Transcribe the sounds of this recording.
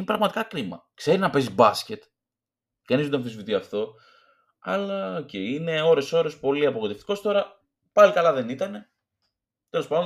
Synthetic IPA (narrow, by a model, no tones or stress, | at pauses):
inepɾɐɣmɐt̪ikɐkɾimɐ̰kse̞ɾiznɐpe̞sizbɐsce̞t̪ | kɐniznet̪oɱfisivit̪iɐft̪o̞ | ɐ̰lɐoceiine̞o̞ɾe̞so̞ɾo̞spo̞liɐpoɣot̪e̞ft̪i̥ko̞st̪o̞ɾɐ | pɐlikɐlɐðe̞nit̪ɐne̞ | t̪e̞lo̞spɐnd̪